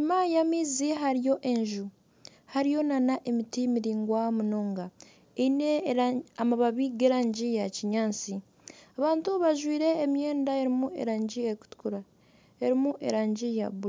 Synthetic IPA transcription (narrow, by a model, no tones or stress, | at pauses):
ɲimajamiːziɦaɾijo̞ʔe̞ɲʒu | haɾijo̞nanaʔemitimiɾiːŋɡwamuno̞ːŋɡa | eineamaβaβiɡeɾaːɲɟijaciɲaːnt͡si | aβaːntuβaʒwiːɾe̞ːmje̞ːndae̞ɾimue̞̰ɾaːɲɟieku̥tu̥kuɾa | eɾimuʔe̞̰ɾaːɲɟija̰βula